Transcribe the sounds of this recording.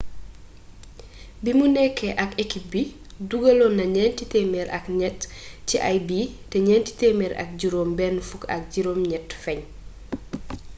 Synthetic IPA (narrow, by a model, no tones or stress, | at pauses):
bimunɛkːɛʔɐkekip̚bi | duɡɐlɔnːɐɲɛːntitɛmɛɾɐ̰kɲɛtːiʔajbitɛɲɛnti̥tɛmɛɾɐ̰k̚ɟiɾoːmbɛnfukɐ̰k̚ɟiɾoːmɲɛtfɛɲ